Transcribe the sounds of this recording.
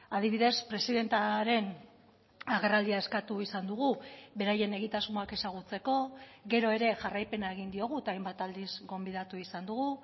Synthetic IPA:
aðiβiðe̞spɾe̞siðe̞nt̪aɾe̞n | aɣerald̪iae̞skat̪uisand̪uɣuβe̞ɾaje̞ne̞ɣit̪azmoake̞saɣ̞ut͡se̞ko̞ɣe̞ɾo̞e̞ɾe̞ʝarajpe̞nae̞ɣind̪io̞ɣ̞uet̪aːjmbat̪ald̪izɡo̞mbiðat̪uisand̪uɣu

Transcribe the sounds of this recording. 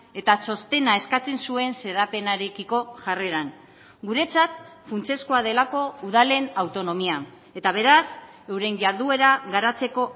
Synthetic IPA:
e̞t̪aso̞st̪e̞nae̞skat͡se̞nsue̞nse̞ðape̞naɾekiko̞ʝare̞ɾan | ɡuɾe̞t͡sat̪funt͡se̞skoað̞e̞lako̞uðale̞nawt̪o̞no̞mia | e̞t̪aβ̞e̞ɾas | e̞wɾe̞ɲʝaɾðue̞ɾaɣaɾat͡se̞ko̞

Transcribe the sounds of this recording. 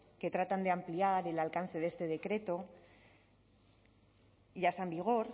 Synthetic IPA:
ke̞t̪ɾat̪and̪e̞ampliaɾe̞lalkanθeðe̞st̪e̞ð̞e̞kɾe̞t̪o̞ | ʝasambiɣ̞o̞ɾ

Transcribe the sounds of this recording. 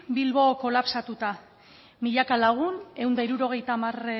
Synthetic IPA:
bilβo̞ko̞lapsat̪ut̪a | miʎakalaɣ̞une̞wnd̪aiɾuɾo̞ɣ̞e̞jt̪aːmar

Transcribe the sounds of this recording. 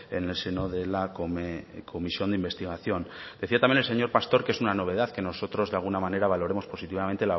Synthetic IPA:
e̞̰ne̞lse̞no̞ðe̞lakoekʰo̞misjo̞nd̪eimbe̞st̪iɣ̞aθjo̞nd̪̥e̞θiat̪amjenelse̞ɲo̞ɾpast̪o̞ɾke̞sunano̞βe̞ð̞aθke̞no̞so̞t̪ɾo̞zðealɣ̞unamãne̞ɾaβ̞alo̞ɾe̞mo̞spo̞sit̪iβamẽnt̪e̞la

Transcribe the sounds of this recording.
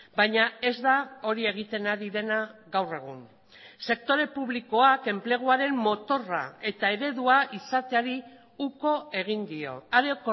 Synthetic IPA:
bajɲae̞zd̪ao̞ɾie̞ɣ̞it̪e̞naɾiðe̞naɣawre̞ɣ̞un | se̞k̚t̪o̞ɾe̞puβliko̞ake̞mple̞ɣ̞uaɾe̞mmo̞t̪o̞ra̰e̞t̪ae̞ɾe̞ðuaʔisat̪e̞aɾi | uko̞e̞ɣ̞ind̪io̞̰aɾek

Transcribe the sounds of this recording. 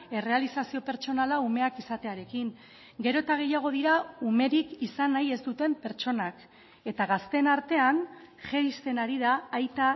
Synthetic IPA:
e̞re̞alisasio̞pe̞ɾt͡ʃo̞nalaume̞akisat̪e̞aɾe̞kiŋ | ɡe̞ɾo̞t̪aɣ̞e̞jaɣ̞o̞ð̞iɾaume̞ɾikisanaje̞zt̪ut̪e̞mpe̞ɾt͡ʃo̞nak | e̞t̪aɣast̪e̞naɾt̪e̞anʝejst̪e̞naɾiðaːjt̪a

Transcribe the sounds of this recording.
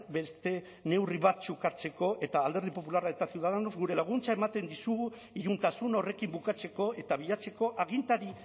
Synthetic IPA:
be̞st̪e̞ | ne̞wriβat͡sukaɾt͡se̞ko̞e̞t̪aːld̪eɾð̞ipo̞pulaɾae̞t̪asiuwðaðeno̞zɣuɾe̞laɣ̞unt͡sae̞mat̪e̞nd̪isuɣu | iɾunt̪asuno̞re̞kimbukat͡se̞ko̞e̞t̪aβ̞iʎat͡se̞ko̞ʔaɣ̞int̪aɾi

